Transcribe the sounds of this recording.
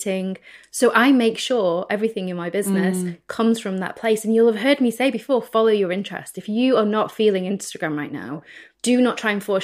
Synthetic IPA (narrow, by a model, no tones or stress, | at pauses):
tɪ̃ŋsoʊʔaɪmeɪkʃɔɹɛvɹɪθɪ̃ŋɪ̃nmaɪbɪznɪskʰʌ̃mz̥fɹə̃mðə̰ʔ̚pʰl̥eɪsə̃njulˠəv̥ɦɜːd̚miseɪbɨfɔːfɒloʊjəɹɪ̃nt͡ʃʰɹ̥ɛ̰stɪfjəənətfiːlˠɪ̃ŋɪ̃nstəɡ̥ɹãmɹaɪʔⁿna̰ʊd̥ənətʰɹ̥aɪə̃nfɔː